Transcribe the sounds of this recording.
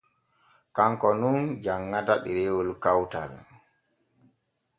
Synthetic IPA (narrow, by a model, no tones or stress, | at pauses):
kaŋkɔnund͡ʒaŋːataɗiɾewulkawta̰l